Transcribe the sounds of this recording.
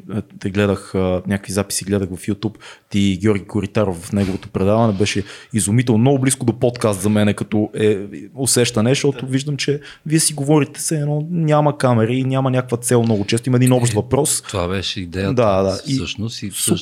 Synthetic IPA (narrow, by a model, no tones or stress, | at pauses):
t̪ɛɡlɛd̪əxənʲakəkvizapi̥siɡlɛd̪əxvɐfjut̪upt̪iɡʲɔɾɡʲikʊɾit̪aɾofvɐfnɛɡovot̪opɾɛd̪avɐnɛbɛʃɛizumit̪ɛlˠnmnɔɡʊbliskʊd̪opɔt̪kast̪zɐmɛnɛkɐt̪ɔʔɛosɛʃt̪ɐnɛʃt̪ɔt̪ʊviʒd̪əmt͡ʃɛ | viɛsiɡovɔɾit̪ɛ̥sɛːnɔnʲamɐkamɛɾəinʲamɐnʲakəkvɐt̪sɛlˠmnɔɡʊt͡ʃɛst̪ʊimɐɛd̪inɔpʃt̪vɐpɾɔst̪ovabɛʃɛid̪ɛjəd̪ad̪aʔisəʃnʊsi